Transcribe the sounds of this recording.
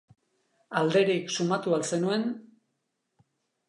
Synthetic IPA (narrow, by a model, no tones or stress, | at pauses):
ald̪e̞ɾiksumat̪ualse̞nue̞n